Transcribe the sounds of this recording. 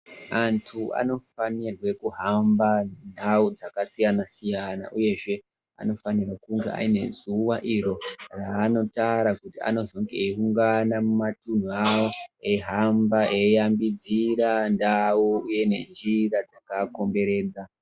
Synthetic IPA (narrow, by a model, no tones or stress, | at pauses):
antʰuʔa̰no̞fanirwe̞kuɦamban̤aud͡zakasijanasijana̰ʔuje̞ʐe̞ | a̰no̞fanirwekuŋɡḛʔa̰ine̞̰zuwaʔiɾo̞raːno̞taɾakutia̰no̞zo̞ŋɡe̞iuŋɡanamumatun̤uawo̞eɦambaʔejambid͡ziɾandauuje̞ne̞̰nd͡ʒirad͡zakako̞mbe̞ɾe̞ːd͡za